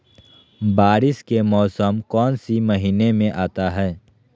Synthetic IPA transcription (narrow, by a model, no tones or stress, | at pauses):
baːɾɪskemɔːsəmkɔːnsiməɦiːnemẽʔaːt̪aɦɛː